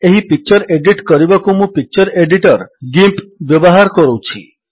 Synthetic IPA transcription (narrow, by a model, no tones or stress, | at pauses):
eɦipik̚t͡ʃɔɾeɖiʈkɔɾibakumũpik̚t͡ʃɔɾeɖiʈɔɾɡimpbjɔbɔɦaɾkɔɾowt͡ʃʰḭ